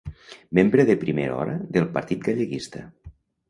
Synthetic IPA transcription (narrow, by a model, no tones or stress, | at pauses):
membɾeðepɾimeɾɔ̰ɾəðelˠpɐɾt̪it̪̚ɡaʎeɣist̪ə